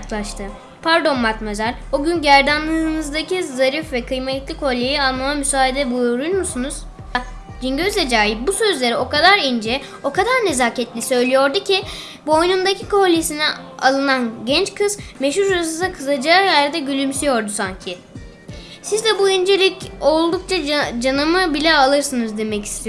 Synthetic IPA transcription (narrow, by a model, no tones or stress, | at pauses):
klˠaʃt̪ʰɯ | pʰaɾd̪o̞mmat̪mezæɾbuɟynɟæɾd̪anlˠɯnɯzd̪acizaɾifvɛkʰɯjmet̪lʲikʰo̞lʲːejialˠmamamysaːɦid̪ɛbujuɾuɾmusunuz̥ | d͡ʒiɲɟøzlʲed͡ʒaːjibusø̞zlʲe̞ɾio̞kad̪aɾind͡ʒɛ | o̞kad̪aɾne̞zaːcʰɛt̪lʲisø̞jlʲijo̞ɾd̪ucʰi | buo̞jnund̪acʰikʰo̞lʲːesinɛa̰lˠɯnanɟɛnt͡ʃkʰɯzmeʃhuɾɾasɯzakʰɯzad͡ʒaːjæɾd̪ɛɟylʲymsyjo̞ɾd̪usaɲcʰi | sizd̪ɛbuind͡ʒeɾʲico̞lˠd̪uk̚t͡ʃʰad͡ʒanɯmɯbilʲɛalˠɯɾsɯnɯzd̪e̞mɛci̥st̪ʰi